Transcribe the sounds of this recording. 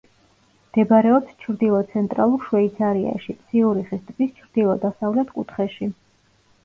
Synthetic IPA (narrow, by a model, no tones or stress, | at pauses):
md̪̥ɛbɾɛɔpst͡ʃʰɾd̪ilˠɔt̪sʰɛnt̪ʼɾalˠuɾʃwɛit̪sʰaɾia̰ʃit̪sʰiuɾiχist̪ʼbist͡ʃʰɾd̪ilˠɔd̪asavlɛt̪ʰkʼṵt̪ʰχɛʃi